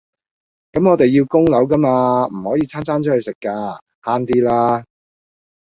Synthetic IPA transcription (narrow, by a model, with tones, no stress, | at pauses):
kɐ˨˥mŋɔː˨˧t̪e˨jːi˧wkʊ˥ŋlɐ˨˥wkɐ˥maː˧m̩˨˩hɔː˨˥jiː˨˧t͡sʰaː˥nt͡sʰaː˥nt͡ʃʰɔ˨˥hɵ˨˧ɥsɪ˨kːaː˧ | haː˥nt̪iː˥laː˥